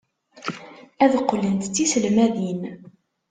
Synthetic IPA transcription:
æðəqːlənt̪t͡sːisəlmæðin

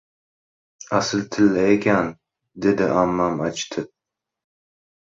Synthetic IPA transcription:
asɪlt̪ʰɪlːaekʲʰan | d̪e̞d̪ɪʔamːamat͡ʃt̪ʰɪ

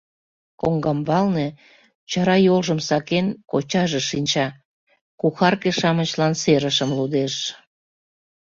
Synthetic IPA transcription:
koŋɡɑmbɑlne | t͡ɕɑɾɑjolʒəmsɑkenkot͡ɕɑʒeʃinʲt͡ɕɑ | kuxɑrkeʃɑmət͡ɕlɑnseɾəʃəmlud̪eʃ

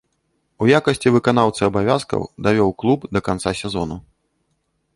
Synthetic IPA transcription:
ujakɐsʲt͡sʲivɨkanawt̪sɨɐbavʲaskɐ̰wd̪avʲɔwklˠubd̪ɐkant̪sasʲɛzɔnu

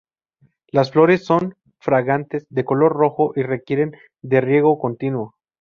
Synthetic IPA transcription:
lasflo̞ɾe̞sːo̞n | fɾaɣant̪ezðe̞ko̞lo̞ɾro̞xo̞ʔire̞kje̞ɾe̞n | d̪e̞rje̞ɣ̞o̞ko̞nt̪inwo

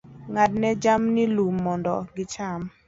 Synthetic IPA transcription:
ŋat̚nɛd͡ʒamnilumːɔndɔɡɪt͡ʃam

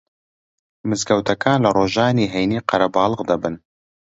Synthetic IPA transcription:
mɨzɡɐwt̪ʰɐkʰaːnlɐroːʒɑːniːɦejniːqɐɾɐbɑːlˠɨʁd̪ɐbɨn

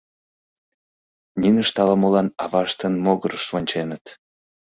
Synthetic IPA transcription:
nʲinəʃt̪ɑlɑmolɑnɑvɑʃt̪ənmoɣəɾəʃvonʲt͡ɕenət̪

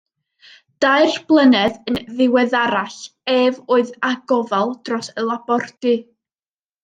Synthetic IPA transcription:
d̥aɨrb̥lˠənɛðənðɪwɛðaɾaɬɛvoːɨðaɡɔvalˠd̥rɔsəlˠabɔrdɨ

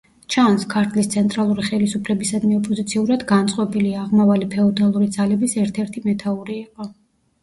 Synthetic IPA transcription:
t͡ʃʰanskʰaɾt̪ʰlist̪sʰɛnt̪ʼɾalˠuɾiχɛlisupʰlɛbisad̪miɔpʼɔzit̪sʰiuɾad̪ɡant̪sʼqʼɔbiliaːʁmavalipʰɛɔd̪alˠuɾid̪zalɛbisɛɾt̪ʰɛɾt̪ʰimɛt̪ʰauɾiːqʼɔ

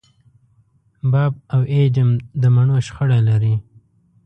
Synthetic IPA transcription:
bɑb̚awed͡ʒɪmd̪əmaɳoʃxəɽalaɾi

